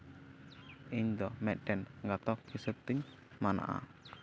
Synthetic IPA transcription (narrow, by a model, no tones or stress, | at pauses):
iɲd̪ɔmɛʔɖɛnŋɡat̪ɔk̚ɡisət̪ɪŋ | mana̰ʔa̰